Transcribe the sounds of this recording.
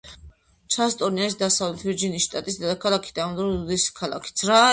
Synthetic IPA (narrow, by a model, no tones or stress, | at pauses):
t͡ʃʰast̪ʼɔniaʃid̪asavlɛt̪ʰviɾd͡ʒinisʃt̪ʼat̪ʼisd̪ad̪akʰalˠakʰi̥d̪amd̪ɾɔd̪iskʰalˠa̰kʰi̥t̪sʰɾa